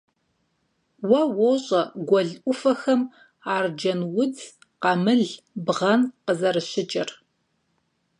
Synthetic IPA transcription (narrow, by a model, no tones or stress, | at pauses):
wɐwoɕʼɐɡʷɔɮʔʷʊfɐxɐm | aːrd͡ʒɐnwʊd͡z | qɑmɨɮ | bʁɐnqəzɐɾɨɕɪt͡ʃʼɐr